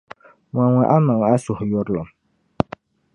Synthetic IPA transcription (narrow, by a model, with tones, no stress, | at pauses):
wa˨ŋwɛ˨ʔa˦ma˨ŋ˨a˦sʊ˨hjʊ˦ɾlɔ˨m